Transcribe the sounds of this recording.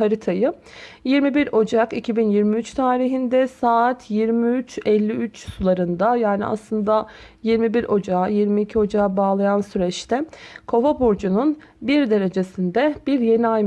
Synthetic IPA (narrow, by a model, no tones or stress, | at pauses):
aɾit̪ʰajɯjiɾmibiɾo̞d͡ʒakicʰibinjiɾmiyt͡ʃt̪ʰaːɾiɦind̪ɛsaːt̪ʰjiɾmiyt͡ʃɛlʲːiyt͡ʃsulˠaɾɯnd̪ajaːnḭʔa̰slˠɯnd̪ajiɾmibiɾʔo̞d͡ʒaajiɾmiːcʰio̞d͡ʒaabaːlˠajansyɾɛt͡ʃt̪ʰɛkʰo̞vabuɾd͡ʒunun | biɾd̪e̞ɾe̞d͡ʒe̞sind̪ɛb̥iɾje̞niajm